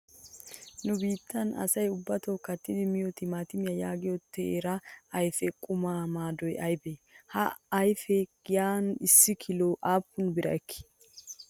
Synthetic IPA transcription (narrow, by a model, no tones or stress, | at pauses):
nʊbiːt̪ːɐnɐ̰sɐjʊbːɐt̪oːkɐt̪ːɪd̪ɪmɪjot̪ɪmaːt̪ɪmɪjɐjaːɡɪjɔt̪ʰːɛɛɾɐɐjfɛkʼʊmaːmaːd̪ɔjɐjbehɐ̰ɐjfɛɡɪjaːnɪsːɪkʰɪloːʔaːpːʊnbɪɾɐ̰ɛkːɪ̥